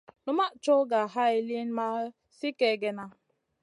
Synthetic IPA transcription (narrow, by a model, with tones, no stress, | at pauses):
nʊ˦ma˦ʔt͡ʃɔ˦ɡa˨ɦa˦i˨li˦n˦ma˦ | si˦ke˨ɡe˨na˨